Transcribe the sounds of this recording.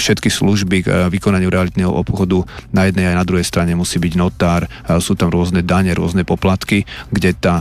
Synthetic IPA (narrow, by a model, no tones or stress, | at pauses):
fʃɛt̪kisluʒbiɡʋikɔnaɲɪuɾɛalit̪nɛɦɔ̰ʔɔpxɔd̪unajɛd̪nɛjajnad̪ɾuɦɛjst̪ɾaɲɛmusiːbiɟnɔt̪aːɾ | suːt̪amɾʊɔznɛd̪aɲɛɾʊɔznɛpɔplat̪kiɡɟɛt̪a